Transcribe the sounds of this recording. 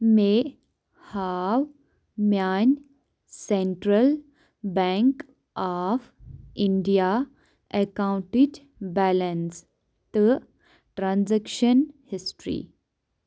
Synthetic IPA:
me | haʋ | mjan | sẽɳʈɾəl | bɛ̃ŋk | afĩɳɖija | ekãwɳʈiɖ | bɛləns | t̪ə | ʈɾãnzɛkʃənhɪsʈɾḭ

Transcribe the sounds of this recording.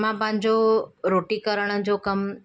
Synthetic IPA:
mãpãɦɪ̃d͡ʑoɾoːʈikəɾəɽ̃əd͡ʑokɐm

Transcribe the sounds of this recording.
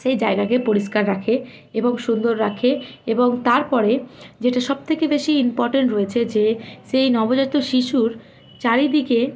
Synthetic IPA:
ʃejd͡ʑaeɡakepoɾiʃkaɾːakʰe | eboŋʃund̪oɾɾakʰeeboŋt̪aɾpɔɾed͡ʑeʈaʃɔb̚t̪ʰekebeʃiimpɔɾʈeɳʈɾoet͡ɕʰed͡ʑeʃejnɔbod͡ʑat̪ːoʃiʃuɾ | t͡ɕaɾid̪ike

